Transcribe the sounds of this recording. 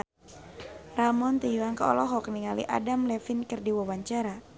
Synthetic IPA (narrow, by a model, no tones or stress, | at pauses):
ramɔnt̪ijuaŋkaɔ̰lɔɦɔk̚niŋalḭʔa̰damlɛfinkɨrdiwawaɲt͡ʃaɾa